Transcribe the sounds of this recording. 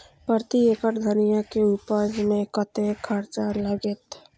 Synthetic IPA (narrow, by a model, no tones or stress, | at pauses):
pəɾt̪ieːkəʈd̪ʱənijakeupəd͡ʒmẽkət̪ekʰəɾt͡ʃaləɡet̪